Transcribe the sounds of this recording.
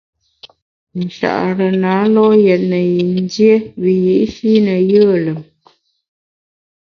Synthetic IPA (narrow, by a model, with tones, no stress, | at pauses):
n̩˨ʃa̰˨ʔɾə˨naː˨˦lɔ˦jɛ˨t̚nə˨ji˨n˦dje˦βi˨ji˨ʔʃi˦nə˨jə˦˨lə˨m